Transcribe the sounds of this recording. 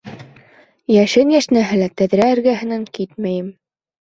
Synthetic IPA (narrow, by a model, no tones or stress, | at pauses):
jæʃɘnjæʃnæɦɘ̆læt̪æðɾæɘ̆ɾɡæɦɘ̆næŋkit̪mæjɘm